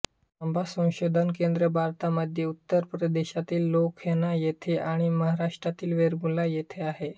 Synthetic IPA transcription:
əmbʱasə̃w̃ɕod̪ʱənkend̪ɾəbʱaɾt̪aməd̪ʱjeut̪ːəɾpɾəd̪eɕat̪iːlːokʰjenajet̪ʰeʔaɽ̃iməɦaɾaʂʈɾat̪iːlʋeɾɡũlajet̪ʰeaɦe

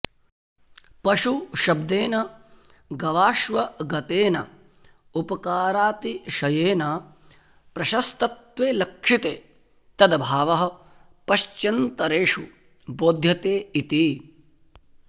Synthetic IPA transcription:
pɐʂuʃɐb̚d̪eːnɐ | ɡɐʋaːʃʋɐɡɐt̪eːnɐ̰ | upɐkaːɾaːt̪iʃɐjeːna | pɾɐʃɐst̪ɐt̪ʋeːlɐkʂit̪eː | t̪ɐd̪ɐbʱaːʋɐɦɐ̆ | pɐʃt͡ʃɐnt̪ɐɾeːʂu | boːd̪ʱjɐt̪eːit̪i

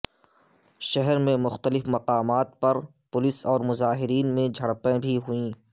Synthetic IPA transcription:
ʃɛɦɛɾmẽmʊxt̪əlɪfmɐqaːmaːt̪̚pɐɾpʊlɪsɔːɾmʊzaːɦɪɾiːnmẽd͡ʒʱɐɽpẽbʱiɦʊĩː

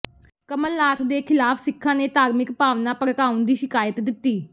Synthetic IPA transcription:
kəməlːaːt̪ʰd̪eːkʰɪlaːfʰsɪkʰːãːneːt̪aːɾmɪkpaːʋnaːpəkaːʊ̃nd̪iːʃɪkaːjət̪d̪ɪt̪ːiː

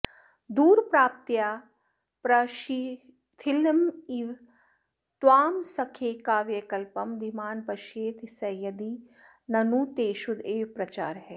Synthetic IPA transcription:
d̪uːɾpɾaːp̚t̪jaː | pɾɐʃi | t̪ʰilmiʋ | t̪waːmsɐkʰeːkaːʋjɐkɐlpɐmd̪imaːnpɐʃeːt̪ʰisɐjɐd̪i | nɐnuːt̪eːʃud̪eːʋpɾɐt͡ʃaːɾɦɛː

